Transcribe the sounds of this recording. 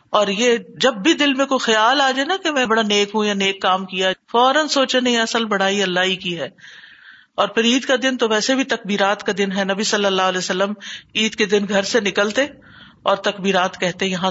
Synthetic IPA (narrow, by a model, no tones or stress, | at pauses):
ɔːɾjeːd͡ʒɐbːid̪ɪlmẽkoxɐjaːlaːd͡ʒaenakemɛ̃ːbɐɽaneːkɦũjaneːkːaːmkijafɔːɾənsoːt͡ʃanɐĩɛɐsəlbɐɽ̤aːiɐlːaɦikiɦɛː | ɔːɾpʰɪɾiːd̪kad̪ɪnt̪oʋɛːsebʱit̪ɐk̚biːɾaːt̪kad̪ɪnɦɛnɐbisɐlːəlːaːɦəlɛːsɐlːəmiːd̪ked̪ɪnɡʱɐɾsenɪkəlt̪e | ɔːɾt̪ɐkbiːɾaːt̪kɛɦt̪eɦɛ̃jɐɦã